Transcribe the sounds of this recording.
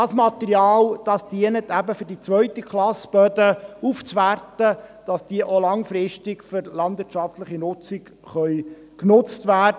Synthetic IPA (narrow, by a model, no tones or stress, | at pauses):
ɑsmɑt̪ɛɾjɑːld̥ɑsd̥iənət̪æbəfʏɾdit͡sʋœʏtəkχlɑsb̥œdəuft͡sʋærtəd̥ɑsd̥iəʔolɑŋfɾɪʃtɪkfʏɾlɑnd̪ʋɪːtʃɑftləχinʊt͡sɪk | χœʏ | knʊt͡stʋæːdə